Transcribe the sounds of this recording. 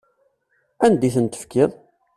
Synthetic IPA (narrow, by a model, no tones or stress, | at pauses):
ænd̪iθənt̪ə̥fkɪðˤ